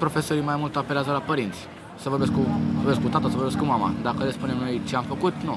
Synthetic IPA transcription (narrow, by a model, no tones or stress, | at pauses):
pɾo̞fe̞soɾimajmult̪əapeleazəlapəɾint̪sʲ | səvorbe̞skuorbeskut̪at̪əsəvorbeskumama̰d̪akəlespune̞mno̞jt͡ʃeamfəkut̪nu